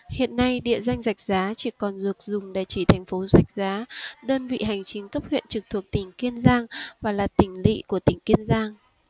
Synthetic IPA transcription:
hḭ˧˨ənːa˧jɗḭ˧˨əza˧jŋ̟za˨˩jk̟̚zaː˨˦t͡ɕi˧˩kɔ˨˩nzɨ˨˩ək̚zʊ˨˩ŋ͡mɗe˧˩t͡ɕi˧˩t̪ʰa˨˩jŋ̟fo˨˦za˨˩jk̟̚zaː˨˦ɗəː˧nvḭ˧˨ɦa˨˩jŋ̟t͡ɕï˨˦ŋkə˦˥p̚hwḭ˧˨ənt͡ɕɨ˨˩k̚t̪ʰu˨˩ək̚t̪ï˧˩ŋ̟ki˧ənzaː˧ŋvaː˨˩laː˨˩t̪ï˧˩ŋ̟lḭ˧˨ku˧˩ət̪ï˧˩ŋ̟ki˧ənzaː˧ŋ

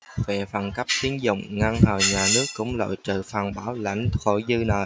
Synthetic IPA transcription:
vɛ̰˧˨faː˨˩nka˦˥p̚t̪i˨˦ənzʊ̰˧˨wŋ͡mŋa˧ŋhəː˨˩jɲaː˨˩nɨ˦˥əkːʊ̰˧˥ŋ͡mlo̰˧˨jt͡ɕɨ̰˧˨faː˨˩nɓaː˨˦wla̰˧˩jŋ̟xo̰˧˩˨jzɨ˧na˨˩

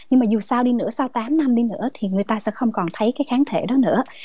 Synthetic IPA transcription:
ɲɲɨ˧ŋmaː˨˩zu˨˩saː˧wɗi˧nɨ̰˧˥əsaː˧wt̪aː˨˦mna˧mɗi˧nɨ̰˧˥ət̪ʰi˨˩ŋɨ˨˩əjt̪aː˧sɛ̰˧˥xə˧wŋ͡mkɔ˨˩nt̪ʰə˨˦jkaː˨˦jxaː˨˦nt̪ʰe˧˩ɗɔ˨˦nɨ̰˧˥ə

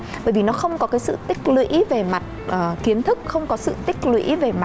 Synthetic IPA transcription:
ɓəː˧˩jvi˨˩nɔ˨˦xə˧wŋ͡mkɔ˨˦kaː˨˦jsɨ̰˧˨t̪ï˦˥k̟̚lwḭ˧˥ve˨˩ma˨˩t̚ʔəː˨˩ki˨˦ənt̪ʰɨ˦˥k̚xə˧wŋ͡mkɔ˨˦sɨ̰˧˨t̪ï˦˥k̟̚lwḭ˧˥ve˨˩ma˨˩

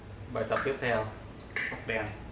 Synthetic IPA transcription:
ɓaː˨˩jt̪ə˨˩p̚t̪i˦˥p̚t̪ʰɛ˧w | fʊ˦˥k͡p̚ɗɛ˧n

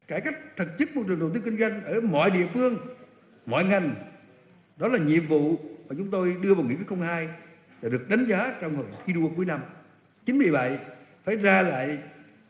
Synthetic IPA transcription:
kaː˧˩jka˦˥jk̟̚t̪ʰɨ˨˩t̚t͡ɕɨ˦˥t̚mo˨˩t͡ɕɨ˨˩ŋɗə˨˩t̪ɨ˨˦ŋkï˧ŋ̟zwa˧jŋ̟ʔəː˧˩mɔ̰˧˨jɗḭ˧˨əfɨ˧əŋ | mɔ̰˧˨jŋa˨˩jŋ̟ | ɗɔ˨˦laː˨˩ɲḭ˧˨əmvṵ˧˨maː˨˩t͡ɕʊ˨˦ŋ͡mt̪o˧jɗɨ˧əvaː˨˩wŋḭ˧˥˦kuː˨˦xə˧wŋ͡mhaː˧j | zaː˨˩ɗɨ˨˩ək̚ɗa˨˦ŋ̟zaː˨˦t͡ɕɔ˧wŋ͡mhə˧˩xi˨˦ɗu˧əku˨˦əjna˧m | t͡ɕï˨˦ŋ̟mɓḭ˧˨ɓa̰˧˨jfaː˧˩jzaː˧la̰ː˧˨j

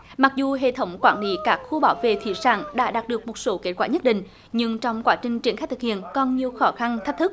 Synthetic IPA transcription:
ma˨˩k̚zu˨˩ɦḛ˧˨t̪ʰə˨˦wŋ͡mkwaː˧˩nli˨˦kaː˦˥k̚xu˧ɓaː˨˦wvḛ˧˨t̪ʰḭ˧˩sa̰ː˧˩ŋɗa̰ː˧˥ɗaː˨˩t̚ɗɨ˨˩ək̚mo˨˩t̚so˨˦ke˦˥t̚kwaː˧ɲə˦˥t̚ɗḭ̈˧˨ŋ̟ | ɲɨ˧ŋt͡ɕɔ˧wŋ͡mkwaː˨˦˥t͡ɕï˨˩ŋ̟t͡ɕi˧˩ənxa˦˥j̚t̪ɨ˨˩k̚hḭ˧˨ənkɔ˧nɲi˨˩əwxɔ˨˦xa˧nt̪ʰk̚t̪ʰɨ˦˥k̚

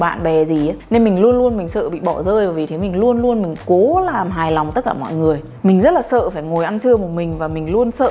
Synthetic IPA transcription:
ɓa̰ː˧˨nɓɛ˨˩zi˨˩a˨˦ne˧nmï˨˩ŋlu˧ənlu˧ənmï˨˩ŋ̟sə̰ː˧˨ɓḭ˧˨ɓɔ˧˩zəː˧jəː˨˩˦vi˨˩t̪ʰe˨˦mï˨˩ŋ̟lu˧ənlu˧ənmï˨˩ŋ̟ko˨˦laː˨˩mɦaː˨˩jla˨˩wŋ͡mt̪ə˦˥t̚kaː˧˩mɔ̰˧˨jŋɨ˨˩əj | mï˨˩ŋ̟zə˦˥t̚laː˨˩sə̰˧˨faː˧˩jŋo˨˩jʔa˧nt͡ɕʰɨ˧əmo˨˩mï˨˩ŋ̟vaː˨˩mï˨˩ŋ̟lu˧ənsə̰ː˧

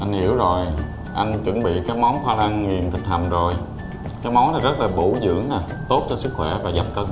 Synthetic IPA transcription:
ʔa˧jŋ̟hi˧˩əwzo˨˩j | ʔa˧jŋ̟t͡ɕɨ̰˧˥ŋɓḭ˧˨kaː˨˦jma˨˦wnxwaː˧na˧ŋŋi˨˩ənt̪ʰï˨˩k̟̚h̪a˨˩mzo˨˩j | kaː˨˦jmɔ˨˦wnaː˨˩zə˦˥t̚laː˨˩ɓu˧˩zɨ̰˧˥əŋnaː˨˩ | t̪o˦˥t̚t͡ɕɔ˧sɨ˦˥k̚xwɛ˧˩vaː˨˩ɣa˨˩p̚kɔː˧

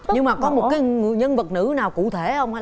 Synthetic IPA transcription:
ɲɨ˧ŋmaː˨˩kɔ˨˦mo˨˩kaː˨˦jŋɨ̰˧˨jɲə˧nvə˨˩t̚nɨ̰˧˥naː˨˩wkṵ˧˨t̪ʰe˧˩hə˧wŋ͡ma˨˦

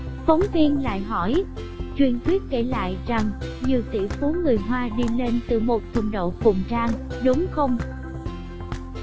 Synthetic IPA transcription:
fə˨˦wŋ͡mvi˧ənla̰ː˧˨jɦɔ˧˩j | t͡ɕwḭ˧˩nt̪ʰwi˦˥ət̚ke˧˩la̰ː˧˨jza˨˩ŋɲɨ˨˩əwt̪ḭ˧˩fu˨˦ŋɨ˨˩əjɦwaː˧ɗi˧le˧nt̪ɨ˧˩mo˨˩t̚t̪ʰʊ̰˨˧˩ŋ͡mɗo̰˧˨wfʊ̰˧˨ŋ͡mt͡ɕaː˧ŋɗʊ˨˦ŋ͡mxə˧wŋ͡m

